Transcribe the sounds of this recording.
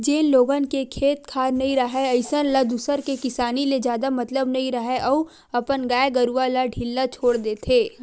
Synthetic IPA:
d͡ʒeːnloːɡənkekʰeːt̪̚kʰaːɾnɐɦĩɾɐɦeɐɪsənlɐd̪usəɾkekɪsaːniled͡ʒjaːd̪amɐt̪ləbnɐɦĩɾɐɦeʔɔ | ɐpənɡaːeɡɐɾualaɖʱɪlːat͡ʃʰoːɽd̪eːt̪ʰeː

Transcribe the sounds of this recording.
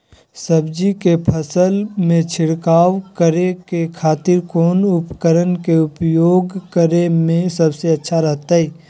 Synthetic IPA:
səbd͡ʒikepʰəsəlmẽt͡ʃʰɪɽkaːwkəɾekekʰaːt̪ɪɾkoːnʊpkəɾənkeʊpjoːɡkəɾemẽsɐbseɐtːʃʰaɾɐɦt̪aɦɛː

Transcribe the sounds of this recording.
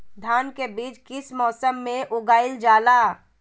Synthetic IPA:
d̪ʱaːnkebiːt͡ʃkɪsmɔːsəmːẽʔʊɡaːɪld͡ʒaːlaː

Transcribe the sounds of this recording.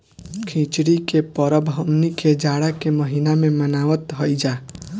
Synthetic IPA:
kʰĩt͡ʃɽikepəɾəbʱɦəmnikʰed͡ʒaɽakeməɦinamẽmənaːʋət̪ɦəid͡ʒaː

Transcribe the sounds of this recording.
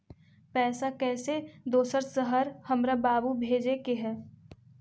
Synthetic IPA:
pɛːsakɛːsed̪oːsəɾsəɦəɾhɐmɾabaːbubʱeːd͡ʒekeɦɛː

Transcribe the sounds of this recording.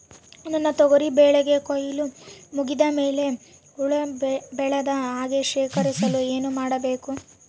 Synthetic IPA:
ɐnɐnːɐt̪ɔɡoɾibɛːɭɛɡe̞kojilumuɡid̪ɐmeːle̞ | uɭɐbɛɭɐd̪ɐɦaːɡeʃeːkɐɾisɐlueːnumaːɽɐbe̞ːku

